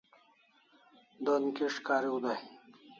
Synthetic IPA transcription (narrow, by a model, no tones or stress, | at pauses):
d̪onkiʂkaːɾiud̪ai